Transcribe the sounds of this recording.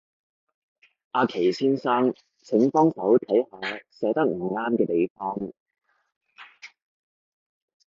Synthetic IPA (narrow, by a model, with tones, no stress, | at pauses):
ʔaː˧kʰe˨˩jsiː˥nsaː˥ŋ | t͡sʰɪ˨˥ŋfɔː˥ŋsɐ˨˥wt̪ʰɐ˨˥jhaː˨˧sɛː˨˥t̪ɐ˥k̚m̩˨˩ŋaː˥mkɛː˧t̪e˨jfɔː˥ŋ